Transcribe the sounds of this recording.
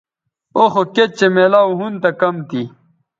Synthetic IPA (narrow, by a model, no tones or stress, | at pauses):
oxoket͡ɕemelaːwɦunt̪ɐkɐmt̪i